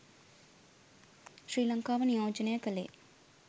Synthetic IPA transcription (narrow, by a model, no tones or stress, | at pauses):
ʃɾiːlɐŋkaːʋɐnijoːd͡ʒɐneːkɐlḛː